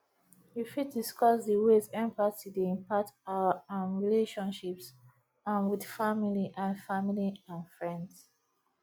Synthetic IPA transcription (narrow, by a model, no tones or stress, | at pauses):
jifid̚diskɔsdəwezɛ̃mpasidiĩmpataãnɹileʃɔ̃nʃips | ãnwidfamiliʔãnfamiliãnfɹɛ̃nds